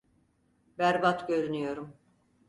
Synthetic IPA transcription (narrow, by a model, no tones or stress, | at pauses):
bæɾbat̪ɟø̞ɾynyjo̞ɾum